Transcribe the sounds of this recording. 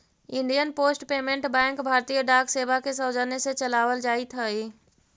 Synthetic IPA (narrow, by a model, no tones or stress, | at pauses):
ɪ̃ɳɖijənpoːsʈpeːmẽɳʈbɛ̃ːŋkbʱaːɾt̪ijəɖaːkseːbʱakʰesəwd͡ʒəneset͡ʃɐlaːʋəld͡ʒaːit̪ʰəeː